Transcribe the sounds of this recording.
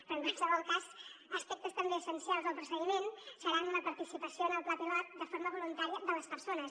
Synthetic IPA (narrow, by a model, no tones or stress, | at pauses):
əŋkwalˠsəβɔlˠkazəspɛk̚t̪əst̪əmbeəsənsialˠzðəlˠpɾusəɣimensəɾanləpəɾt̪isipəsionəlˠplap̪ilat̪̚d̪əfoɾməβulunt̪aɾiəðələspəɾsonəs